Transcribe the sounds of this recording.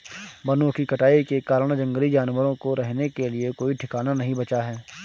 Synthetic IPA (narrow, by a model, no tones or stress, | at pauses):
bɐnõkikɐʈaːikekaːɾəɽ̃d͡ʒɐ̃ŋɡəlid͡ʒaːnʋəɾõkoɾɛɦnekeliekoːiʈʰɪkaːnanɐɦĩbɐt͡ʃaɦɛː